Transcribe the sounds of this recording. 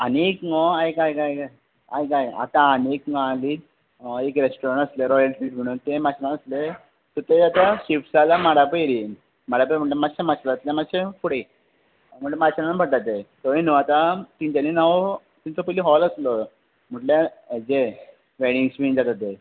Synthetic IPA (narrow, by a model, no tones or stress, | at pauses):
anekŋɔajkajkaj | ajkaja̰t̪ãənekŋali | ekɾesʈɔɾəɳʈəsleɾɔjəlʈfiːʈm̤əɽ̃unt̪emat͡ɕʰnãnəsle | t̪ɔt̪ed͡zat̪aɕifʈsalamaɽapəjɾi | maɽapəjɾməɳʈlemaɕẽmat͡ɕlat̪lẽmaɕẽfuɽi | m̤əɳʈlemat͡ɕananabʱəɽt̪at̪et̪ɔinuat̪at̪iɲt͡ɕaninaʋo | t̪iɲt͡sɔpəiliɦɔləslɔ | m̤əʈleed͡ʑe | ʋeɽiŋɡsbind͡zat̪at̪e